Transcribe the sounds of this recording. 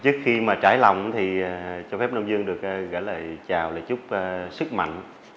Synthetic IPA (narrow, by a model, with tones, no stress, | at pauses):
t͡ɕɨ˦˥ək̚xi˧maː˨˩t͡ɕaː˧˩jla˨˩wŋ͡mt̪ʰi˨˩˨t͡ɕɔ˧fɛ˦˥p̚no˧wŋ͡mzɨ˧əŋɗɨ˨˩ək̚ːɣə̰ː˧˥jlaː˨˩t͡ɕaː˨˩wlaː˨˩t͡ɕʊ˦˥k͡p̚ːsɨ˦˥k̚ma̰˧˨jŋ̟